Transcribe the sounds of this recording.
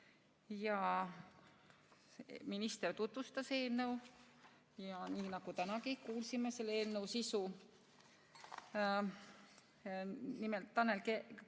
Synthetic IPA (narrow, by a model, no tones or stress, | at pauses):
jɑ | minist̪ert̪ut̪vust̪ɑse̞ːlnəw | jɑniːnɑɡ̥ut̪ænɑkikuːlsimese̞lːeːlnewsisu | nimelt̪ːɑnːelke